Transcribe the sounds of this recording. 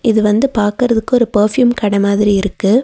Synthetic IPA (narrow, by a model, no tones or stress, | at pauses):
ʔɪðɯʋɐnd̪ɯpaːɾkɯɾɐðɯkːɯɔɾɯpɐɾfjuːmkɐɽɐmaːðɪɾiɪɾɯkːɯ